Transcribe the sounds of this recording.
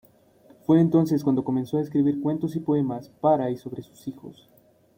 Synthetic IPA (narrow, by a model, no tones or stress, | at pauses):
fwe̞ːnt̪o̞nse̞skwand̪o̞ko̞me̞nso̞aeskɾiβiɾkwe̞nt̪osipo̞e̞maspaɾaiso̞βɾe̞su̥sixo̞̰s